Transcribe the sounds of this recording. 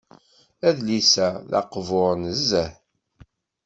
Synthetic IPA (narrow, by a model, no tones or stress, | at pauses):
æðlisæðɑ̰qvʊɾnəzːəħ